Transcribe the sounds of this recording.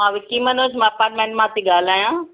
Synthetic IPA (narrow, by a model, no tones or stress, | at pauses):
ɦãʋikimɐnoːsmɛ̃ɐpaːɾʈ̚mẽːɳʈmãt̪ʰiɠaːl̤aːjãː